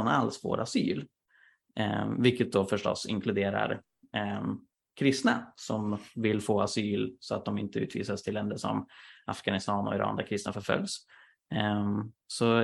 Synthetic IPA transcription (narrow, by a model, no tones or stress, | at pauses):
nalsfo̰ːɾʔasy̰ːl | vɪlkːət̪̚d̪ɔfœʂʈɔ̰sːɪ̰ŋkʰlɵd̪eːɾa̰ɾ | kʰɾɪst̪nasɔmvɪlːfoːasyːlsɔat̪̚d̪ɔmɪnt̪əʉ̟ːt̪vḭːsast̪ʰɪlːɛnd̪əʂɔ̰mafɡ̥anɪst̪ɑːnɔ̰ɪɾʔɑ̰ːnd̪æɾkʰɾɪst̪nafœɾfœ̰ljs | sɔ